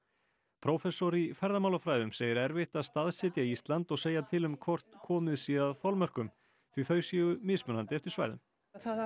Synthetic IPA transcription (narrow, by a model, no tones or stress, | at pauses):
pʰɾowfɛsɔɾifɛɾðamaːwlafɾaːjðʏmseːjɪɾɛɾvɪht̪aðst̪aðsɪt̪jaiist̪lant̪ɔɣseːjat̪ʰɪlʏmkʰvɔr̥t̪kʰɔːmɪðsiːðaðθɔwlmœr̥kʏm | θɾifœːɥsiɛɣʏmɪsmœnant̪ɪɛft̪ɪɾ̥sva̰jɾðʏ̰m